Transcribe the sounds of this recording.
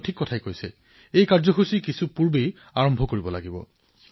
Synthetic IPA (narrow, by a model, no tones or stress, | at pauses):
tʰikːɔtʰajkojsɛ̰ | ejkaɹzɔxusikisupuɹbej | aɹɔmbʱɔkoɹibɔlaɡibɔ̰